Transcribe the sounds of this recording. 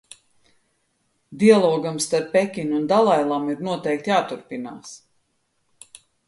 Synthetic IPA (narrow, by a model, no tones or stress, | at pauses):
d̪ialˠɔːɡamst̪aɾpːɛkʲiɲund̪alˠajlˠamiɾnuɔt̪ɛjk̚t̪jaːt̪uɾpina̰ːs